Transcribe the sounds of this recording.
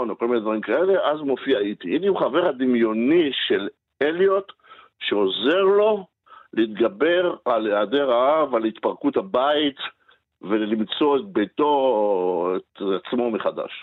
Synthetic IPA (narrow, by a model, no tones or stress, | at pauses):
onoko̞lmined̪vaʁimkae̞le̞ʔazmo̞fiait̪iitiuχave̞ʁhad̪imjo̞niʃe̞l | eljo̞t̪ | ʃeoze̞ʁlo̞ | leit̪ɡabe̞ʁaleade̞ʁaavalit̪paʁkuthabait̪ | ve̞llimt͡so̞et̪̚bejt̪o̞ | etat͡smo̞meχada̰ʃ